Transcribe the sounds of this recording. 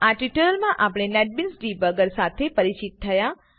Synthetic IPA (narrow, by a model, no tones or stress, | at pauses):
aʈiʈəɾəlmãʔapɽ̃enɛʈ̚binsɖibəɡəɾsat̪ʰepəɾit͡ʃit̪t̪ʰːəja